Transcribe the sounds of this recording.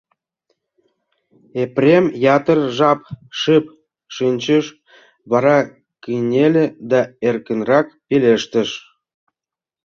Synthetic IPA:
eprʲemjɑt̪ərʒɑpʃɨp | ʃinʲt͡ɕəʃ | βɑɾɑ | kinʲelʲĕd̪ɑerkənrɑkpeleʃt̪ə̆ʃ

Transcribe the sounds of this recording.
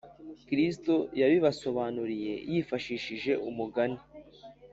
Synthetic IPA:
kɾis̬to̞jaβiβaso̞βaːnuɾije̞̰jifaʃiːʃiʒe̞ʔumuɡani

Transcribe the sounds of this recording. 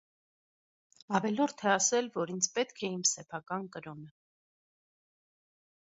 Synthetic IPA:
ɑvɛlɔɾt̪ʰɛɑsɛlvɔɾint͡sʰpɛt̪kʰɛimsɛpʰɑkɑnkəɾɔnə

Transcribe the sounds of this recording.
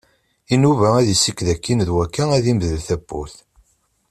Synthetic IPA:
inuvææðisːikːðækːinðwækːææðimðəlθæbːṵθ

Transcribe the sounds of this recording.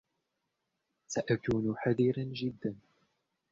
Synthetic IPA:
saʔakuːnħaðiɾand͡ʒɪd̪ːan

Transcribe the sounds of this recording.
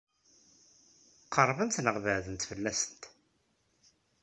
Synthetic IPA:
qʰːərˤːvənt̪nəʁvəʕðənt̪fəlːæsə̥nt̪

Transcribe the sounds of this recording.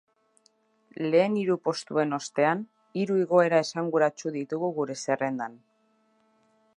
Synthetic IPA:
le̞ːniɾupo̞st̪ue̞no̞st̪e̞an | iɾuiɣo̞e̞ɾae̞saŋɡuɾat͡ʃuðit̪uɣuɣuɾe̞se̞re̞nd̪an

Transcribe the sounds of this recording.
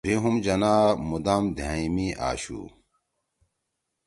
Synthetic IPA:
bʱiɦumd͡ʑɐnaːmud̪amd̪ʱaːimiʔa̰ːɕṵ

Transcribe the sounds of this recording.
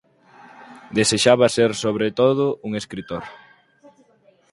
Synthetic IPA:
d̪eseʃaβaseɾsoβɾet̪oðʊʔuŋeskɾit̪oɾ

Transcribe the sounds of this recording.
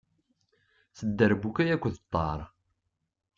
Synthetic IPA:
θəd̪ːəɾbukæjækʷːəðət̪ˤːɑɾˤ

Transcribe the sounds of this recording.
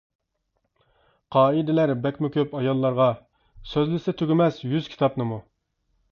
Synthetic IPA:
qʰɑːid̪ɪlæɾbɛkʲmɪkʲʰøpɑjɑlˠːɑɾʁɑ | søzlɪsɪt̪ʰøɡʲɪmɛsjyz̥kʲʰi̥t̪ʰɑpnɨmu

